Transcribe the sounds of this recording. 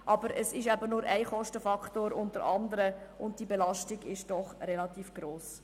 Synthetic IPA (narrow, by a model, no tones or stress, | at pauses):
ʔɑb̥əɾəsɪʃæbənʊɾæɪχɔʃtəfɑktoːɾʊndəɾɑndəɾəʔʊnt̚d̥ibɛlɑʃtɪɡɪʃd̥ɔχrɛlɑtiːfɡ̥ɾoːs